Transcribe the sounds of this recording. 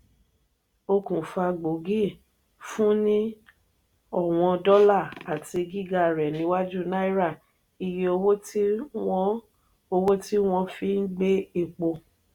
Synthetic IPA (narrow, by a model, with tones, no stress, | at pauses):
o˧kũ˨fa˧ɡ͡bo˨ɡi˦˨ | fũ˦nĩ˦ | ɔ˦˨w̃ɔ̃˧dɔ˦la˦˨a˨ti˧ɡi˦˨ɡa˦˨ɾɛ˨nĩ˨˧˦wa˦d͡ʒu˦˨na˦i˦ɾa˦˨ | i˨je˧o˧wo˦ti˦ɔ˦ | o˧wo˦ti˦w̃ɔ̃˧fi˦n̩˦ɡ͡be˦i˦˨k͡po˧